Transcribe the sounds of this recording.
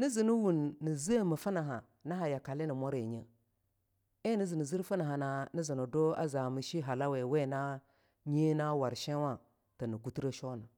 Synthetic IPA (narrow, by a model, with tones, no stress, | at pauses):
ni˦zi˨ni˦wu˨nːi˨zi˦mə˨fə˦na˨ɦa˨ | na˦ɦa˨ja˨ka˨li˦ni˨mo˦ɾe˨ɲə˦ | e˦ni˦zi˨ni˨zi˦ɾfə˦na˨ɦa˨na˨ni˦zi˨nə˨do˦a̰˦za˨mi˨ʃi˦ɦa˨la˦we˨we˦˨na˦ | ɲe˦na˦wa˨ɾʃe˦wa˦ | tə˨nə˨ɡu˦ti˦ɾə˦ʃo˦na˨